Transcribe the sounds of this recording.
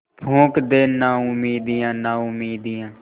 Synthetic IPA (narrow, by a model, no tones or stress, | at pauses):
pʰõːkd̪eːnãːʊmiːd̪ijãːnãːʊmiːd̪ijãː